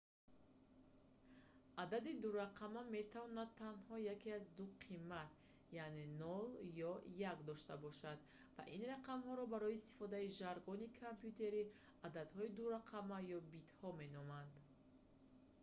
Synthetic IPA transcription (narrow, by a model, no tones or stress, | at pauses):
ʔad̪ad̪id̪uɾaqʰamame̞t̪ʰavɔnad̪̚ʰanhɔjakeazd̪uqʰimːat̪̚ | jane̞nɔljɔjakd̪ɔʃt̪abɔʃad̪ | va̰ʔinraqamhɔɾɔbaɾɔiːst̪i̥fɔd̪aiʒaɾɡɔnikʰampjut̪ʰe̞ɾi | ad̪ad̪hɔid̪uɾaqʰamajɔbit̪hɔme̞nɔmand̪